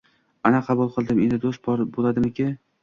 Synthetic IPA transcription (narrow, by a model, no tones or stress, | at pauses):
anaqʰɑbulˠqʰɨlˠd̪ɪme̞nd̪ɪd̪ost̪̚bɾbolˠad̪ɪmɪkʲʰɪ